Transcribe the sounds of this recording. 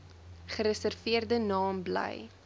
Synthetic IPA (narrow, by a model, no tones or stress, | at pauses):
χəɾəsərviərdənɑːmblɛ̰j